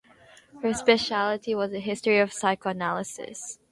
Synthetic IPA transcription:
hə˞spɛʃælˠəɾiwʌzɨɦɪstɹiʌv̥saɪkoənælˠəsɪ̰s

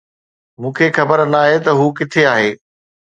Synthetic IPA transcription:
mũːkʰexɐbəɾnaːɦet̪ɐɦuːk̬ɪt̪ʰeaːɦeː

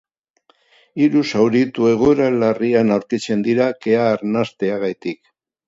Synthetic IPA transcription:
iɾusawɾit̪ue̞ɣ̞oeɾalarianawɾkit͡se̞nd̪iɾake̞aːɾnast̪e̞aɣajt̪ik

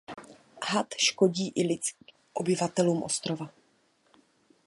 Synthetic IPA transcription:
ɦat̪ʃko̞ɟiːʔɪlɪt͡s | ʔobɪvat̪ɛluːmʔo̞st̪ɾo̞va

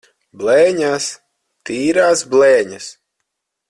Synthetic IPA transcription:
blɛːɲas | t̪iːɾaːsblɛːɲas

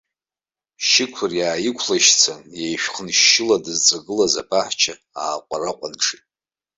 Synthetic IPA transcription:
ʃɪkʷʰʊrjaːjɪkʷʰlaʃt͡sʰajejʃᶣχənʃːɪladɨzd͡zʷʼaɡɨlaza̰pʰʼaħt͡ʃʰa | aːqʷʼaraqʷʼanʈ͡ʂʰitʼ

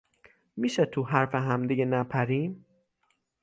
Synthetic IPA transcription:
miːʃet̪ʰuɦæɾfeɦæmd̪iɟenæpʰæɾiːm

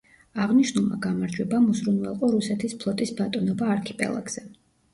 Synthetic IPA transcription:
aʁniʃnulˠma̰ɡamaɾd͡ʒwɛbamuzɾunvɛlˠqʼɔɾusɛt̪ʰispʰlˠɔt̪ʼisbat̪ʼɔnɔbaːɾkʰipʼɛ̰lˠa̰ɡz̥ɛ

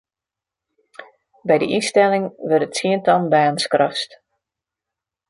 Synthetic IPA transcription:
bɛjdə̰ʔistɛlɪŋʋərtətsiəntɔnbaənskrɔst

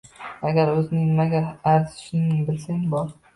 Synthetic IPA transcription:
aɡʲaɾɵzɪnɪŋnɪmaɡʲaːɾzɪ̥ʃɪŋnɪŋbɪlsaŋbɒɾ

